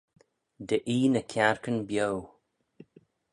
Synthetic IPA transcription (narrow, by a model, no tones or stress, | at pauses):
d̪əʔiːnəkʰaɹkənbjow